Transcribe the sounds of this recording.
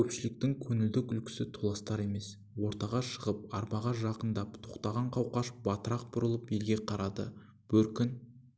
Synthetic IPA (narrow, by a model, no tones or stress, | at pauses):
kʲɵpʃɪlɪk̚t̪ɪŋkʲʰɵnɪld̪ɪkʲʏlkʲɪ̥sɪt̪ʰolˠɑst̪ɑɾe̞me̞s | wo̞ɾt̪ɑʁɑʃəʁəp̚ɑɾmɑʁɑʒɑqənd̪ɑpt̪ʰo̞qt̪ɑʁɑɴqʰɑwqɑʃbɑt̪əɾɑq̚bʊɾəlˠəpe̞lɡʲe̞qʰɑɾɑd̪ə̰ | b̥ɵɾkʲɪn